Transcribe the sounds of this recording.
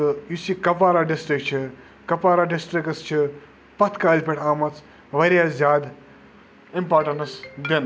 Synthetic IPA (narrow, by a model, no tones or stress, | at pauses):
ɨjusikɐpaːɾaɖisʈɾik̚t͡ʃʰi | kɐpaːɾaɖisʈɾikst͡ʃʰi | pɐt̪ʰkaːlʲpʲeʈaːmɐt͡s | ʋɐɾʲjaːzʲjaːd̪ | impaːʈɐnɐsd̪in